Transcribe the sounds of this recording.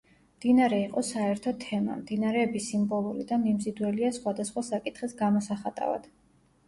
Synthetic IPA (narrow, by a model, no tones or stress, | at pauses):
md̪̥inaɾɛiqʼɔsaɛɾt̪ʰɔt̪ʰɛma̰md̪inaɾɛːbisimbɔlˠuɾid̪amimzid̪wɛliasχwad̪asχwasakʼit̪ʰχisɡamɔsaχat̪ʼa̰va̰d̪̥